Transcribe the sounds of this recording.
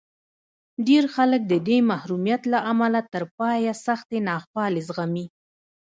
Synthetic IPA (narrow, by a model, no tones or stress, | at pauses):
ɖeɾxalək̚d̪əd̪emahɾumjat̪laʔamalat̪əɾpɑjasaxt̪enɑxwɑlezɣami